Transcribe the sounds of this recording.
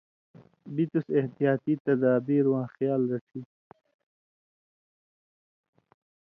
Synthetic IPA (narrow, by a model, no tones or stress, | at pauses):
bit̪useht̪ijaːt̪it̪ɐd̪aːbiɾwãːxjaːlɾɐʈʰi